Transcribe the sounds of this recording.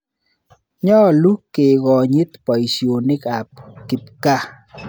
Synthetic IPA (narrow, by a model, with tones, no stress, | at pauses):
ɲɔ˦˨lu˦kːe˨ɡɔ˨ɲi˦t̪pa˨i˨sjo˨nɪ˦ka˨p̚ki˨p̚ka˦